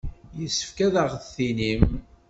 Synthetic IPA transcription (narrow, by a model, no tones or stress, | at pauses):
jəsːə̥fkæðəʁθθinim